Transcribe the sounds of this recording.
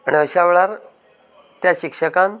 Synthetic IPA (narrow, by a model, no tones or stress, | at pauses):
aniəɕaʋeɭaɾ | t̪jaɕikʂəkan